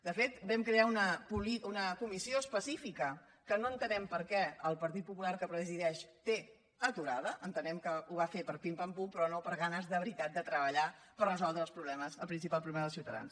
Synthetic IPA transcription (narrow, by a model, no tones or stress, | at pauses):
d̪əfet̪bɛmkɾeaunəpuliunəkumisioəspəsifikə | kənoənt̪ənɛmpəɾkɛəlˠpəɾt̪̬it̪̚pupulaɾkəpɾəziðɛʃt̪e | ət̪uɾaðəʔənt̪ənɛmkəuβ̞afepəɾpimpampupɾɔnopəɾɣanəzðəβɾit̪at̪̚d̪ət̪ɾəβəʎa | pərrəzɔlˠd̪ɾəlˠspɾuβlɛməzəlˠpɾinsipalˠpɾuβɛməðəlˠsiuwt̪əða̰ns